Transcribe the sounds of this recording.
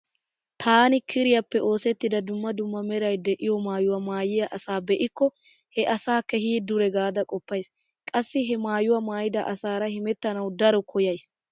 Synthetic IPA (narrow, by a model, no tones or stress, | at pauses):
t̪ʰaːnɪkʰɪɾɪjɐpːɛʔo̞ːsɛt̪ːɪd̪ɐd̪ʊmːɐd̪ʊmːɐmɛɾɐjd̪ɛʔɪjɔmaːjʊwɐmaːjɪjɐʔɐsaːbɛʔɪkːɔ | hɛʔɐsaːkːɛhiːd̪ʊɾɛɡaːd̪ɐkʼɔpːɐjs | kʼɐsːɪɦɛmaːjʊwɐmaːjɪd̪ɐ̰ʔɐsaːɾɐhɪmɛt̪ːɐnɐwd̪ɐɾɔkʰɔjɐjs